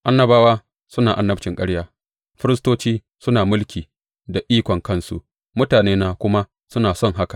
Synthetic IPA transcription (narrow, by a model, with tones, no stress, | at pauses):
ʔa˦nːɐ˨baː˦waː˦ | sʊ˦naː˨ʔa˦nːɐ˦bt͡ʃɪ˨ŋkʼɐ˦ɽjaː˦ | ɸɪ˦ɾɪ˦stoː˦t͡ʃiː˦ | sʊ˦naː˨mʊ˦lkʲiː˨ | da˨ʔiː˦kʷɔ˨ŋkɐ˦nsṵ˨ | mʊ˦taː˨neː˦naː˦kʷʊ˦ma˦ | sʊ˦naː˨sɔ˦˨ŋɦa˦ka˨ʔ